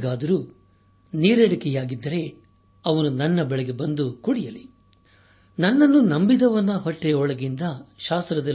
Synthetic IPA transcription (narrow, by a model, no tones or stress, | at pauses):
ɡaːd̪ɐɾuː | niːɾeɽikɛjaːɡid̪ːɐɾe̞ | ɐʋɐnunɐnːɐbɛɭɛɡe̞bɐnd̪ukuɽijɐli | nɐnːɐnːunɐmbid̪ɐʋɐnːɐɦɔʈːɛɔɭɐɡind̪ɐʃaːst̪ɾɐd̪ɐ